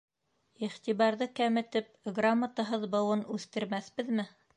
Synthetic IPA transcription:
iχt̪iβɑɾðɤkæmɘ̆t̪ɘp̚ɡramːat̪ɑɦɤðbɤ̆wɤnʉθt̪ɘ̆ɾmæθbɘðmɘ

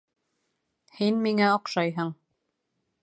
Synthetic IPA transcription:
hinmiŋæoqʃɑjɦɤɴ

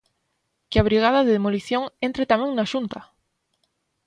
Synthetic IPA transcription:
keaβ̞ɾiɣ̞að̞aðeðemoliθjoŋẽnt̪ɾet̪amjẽŋnaʃunt̪a

